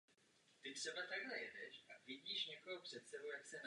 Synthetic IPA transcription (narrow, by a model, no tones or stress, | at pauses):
t̪ɪt̪r̥ɛbat̪aɡɦlɛjɛdɛ̰ʃʔavɪɟiːʃɲɛkoɦopr̝̥ɛt̪sɛbowjaksɛn